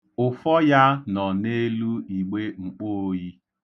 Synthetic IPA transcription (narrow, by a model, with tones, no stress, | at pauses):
ʊ˨fɔ˦ja˦nɔ˨ne˦lu˦i˨ɡ͡be˦ŋ͡m̩˨k͡po˦o˦ji˦